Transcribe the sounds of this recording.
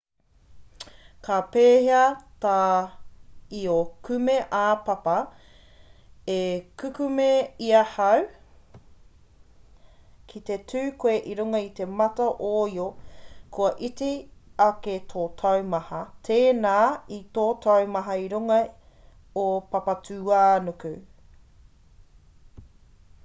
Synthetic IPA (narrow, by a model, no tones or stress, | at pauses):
kapeːheɐtaː | iokʉmeʔapɐpɐ | ekʉkʉmeiɐhɐw | kʰit̪etʰʉːkoeʔiɾuŋɐit̪e̞mɐtɐʔoiokʰoɐʔitiɐketʰoːtʰɐwmɐhɐtʰeːnaːitoːtʰɐwmɐɦɐiɾuŋɐ | opɐpɐtʰʉːaːnokʉ